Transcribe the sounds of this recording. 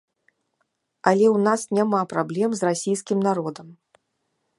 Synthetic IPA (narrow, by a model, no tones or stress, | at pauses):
alʲɛwnasnʲamapɾablʲɛmzrasʲijskʲimnaɾɔd̪ɐm